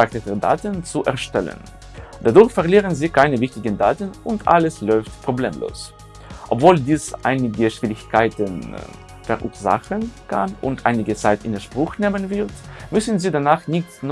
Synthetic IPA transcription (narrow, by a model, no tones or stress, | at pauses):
aktətəda̰ːtənt͡suʔɛ̰ɐʃtɛ̰lə̰n | d̥adʊɐçfɛɐliːʁənziːkʰaɪnəvɪçtɪɡənda̰ːtənʊntʔa̰ləslɔʏftpʁ̥oblḛːmlo̰ːs | ʔɔpv̥oːldiːsʔa̰ɪnɪɡəʃv̥iːʁɪçkʰaɪtən | fɛɐʁʔuːɐza̰χənkʰa̰nʊ̰ntʔaɪnɪɡət͡saɪtɪnəʃpʁ̥ʊxneːmənvɪʁtmʏsn̩ziːdanaːχnɪçt͡sn